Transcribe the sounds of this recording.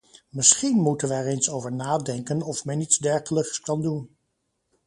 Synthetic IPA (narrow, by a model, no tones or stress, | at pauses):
mɪsχinmutənʋəːɹensowvəɹnaːdɛŋkənɔfmɛnitzdɛɹχələkskɑndun